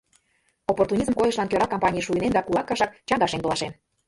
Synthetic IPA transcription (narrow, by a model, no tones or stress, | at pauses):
opːort̪unʲizmkojə̆ʃlɑnkøɾɑkompɑnʲijʃuinend̪ɑkulɑkːɑʃɑk̚t͡ɕɑŋɡɑʃent̪olɑʃen